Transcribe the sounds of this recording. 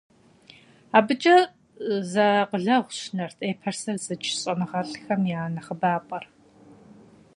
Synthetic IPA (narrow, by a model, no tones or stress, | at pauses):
aːbɨt͡ʃʼɐ | zɐqəɮɐʁʷʊɕnɐrtʼeːpʰɐrsɐrzɨt͡ʃʰʼɕʼɐnɨʁɐɬxɐmjaːnɐχəbaːpʼɐr